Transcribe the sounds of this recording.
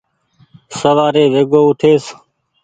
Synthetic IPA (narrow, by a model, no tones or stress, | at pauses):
səʋaːɾeːʋeːɡoːʊʈʰeːs